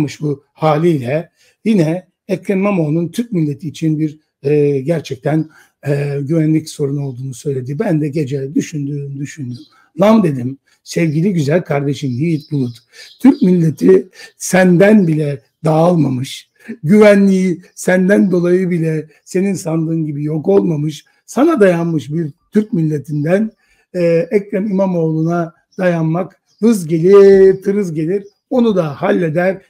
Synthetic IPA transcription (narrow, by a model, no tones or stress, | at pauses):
mɯʃbu | haːlʲijlʲɛ | jinɛ | ɛkʰɛnmamonunt̪ʰyɾc̚milʲːe̞t̪ʰiːt͡ʃʰinbiɾ | ɟæɾt͡ʃʰɛc̚t̪ʰæn | ɟyvænlʲicso̞ɾuno̞lˠd̪uːnusø̞jlʲe̞d̪ibænd̪ɛɟe̞d͡ʒɛd̪yʃynd̪yːmd̪yʃynd̪ym | lˠamd̪e̞d̪im | sɛvɟilʲiɟyzælʲkʰaɾd̪e̞ʃind̪ijit̪̚bulˠut̪ | t̪ʰyɾcmilʲːe̞t̪ʰisænd̪ænbilʲɛ | d̪aːlˠmamɯʃ | ɟyvænlʲijisænd̪ænd̪o̞lˠajɯbilʲɛ | se̞ninsand̪ˠɯːnɟibijo̞ko̞lˠmamɯʃ | sanad̪ajanmɯʃbiɾt̪ʰyɾc̚milʲːe̞t̪ʰind̪æn | ɛɛcɾɛmimamo̞ːlˠuna | d̪ajanmak | hɯzɟe̞lʲit̪ʰɯɾɯzɟe̞lʲiɾ | o̞nud̪ahalʲːe̞d̪æɾ